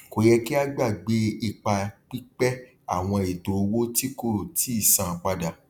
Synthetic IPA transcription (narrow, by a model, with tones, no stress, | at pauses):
ko˨jɛ˧ki˦a˦ɡ͡ba˦˨ɡ͡be˨˦i˨k͡pa˧k͡pi˦k͡pɛ˦ | a˨w̃ɔ̃˧i˨to˨˧wo˦ti˦ko˦˨ti˨˦i˦˨sã˨k͡pa˧da˨